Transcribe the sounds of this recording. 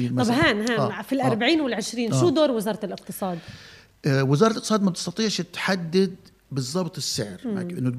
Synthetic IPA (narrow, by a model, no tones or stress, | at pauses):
ɑbɦaːnɦaːfilʔɑɾˤbaʕiːnwɪlʕɪʃɾiːnʃuːd̪oːɾwɪzɑːɾˤɑlʔɪq̚t̪ɨsˤɑːd̪ | wɪzɑːɾˤɑlʔɪqt̪sˤɑːd̪mab̚t̪ɪ̥st̪ɑt̪ˤiːʕʃɪt̪ħad̪ːad̪̚ | bɨzˤːɑbt̪ˤɪsːɪʕɾma̰bʔɪnːʊ